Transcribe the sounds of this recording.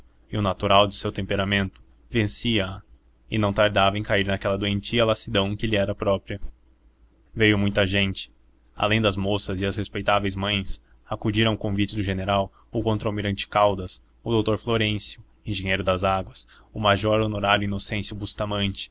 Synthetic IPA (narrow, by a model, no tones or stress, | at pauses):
iʊnat̪uɾawd͡ʒɪsewt̪ẽmpeɾamẽnt̪ʊ̥ | vẽsiɐɐ | ɪnɐ̃w̃t̪aɾd̪avɐẽj̃kaiɾnakɛlɐd̪oẽnt͡ʃiɐlasid̪ɐ̃w̃kɪlɪɛɾɐpɾɔpɾiɐ | vejʊmũj̃t̪ɐʒẽnt͡ʃɪ̥ | a̰lẽj̃d̪ɐzmosɐzɪɐshespejt̪avejzmɐ̃j̃s | akud͡ʒiɾɐ̃w̃kõvit͡ʃɪd̪ʊʒeneɾaw | ʊkõnt̪ɾamiɾɐ̃nt͡ʃɪ̥kawd̪ɐs | ʊd̪owt̪oɾfloɾẽsjʊ | ẽʒẽɲejɾʊd̪ɐzaɡwɐs | ʊmaʒɔɾonoɾaɾjʊinosẽsjʊbust̪amɐ̃nt͡ʃɪ̥